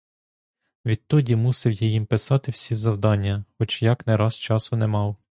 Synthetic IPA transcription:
ʋʲid̪̚t̪ɔdʲimusɪwjɐjimpɪsɑt̪ɪwsʲizɐwd̪ɑnʲːɐxɔt͡ʃjɑknɛɾɑzt͡ʃɑsʊnɛmɑw

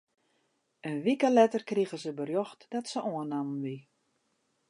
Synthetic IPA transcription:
ənʋikəlɛtərkriɣəzəbərjoxtdɔtsəʔoənamnʋi

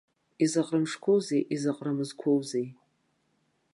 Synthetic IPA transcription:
izaqʼrɨmʂkʷʰowzejʔizaqʼramɨzkʷʰowzej

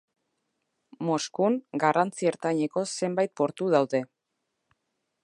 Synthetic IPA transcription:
mo̞skuŋɡarant͡sieɾt̪aɲe̞ko̞se̞mbajt̪̚po̞ɾt̪uð̞awðe̞

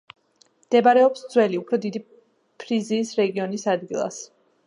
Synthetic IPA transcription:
md̪̥ɛbaɾɛɔpsd̪zwɛliupʰɾɔd̪id̪i | pʰɾiziːsɾɛɡiɔnisad̪ɡilˠa̰s

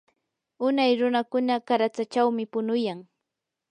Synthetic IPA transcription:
ʊnajɾʊnakʊnakaɾat͡sat͡ʃawmɪpʊnʊjaŋ

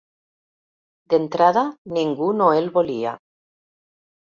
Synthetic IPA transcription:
d̪ent̪ɾaðaniŋɡunoelβolia̰

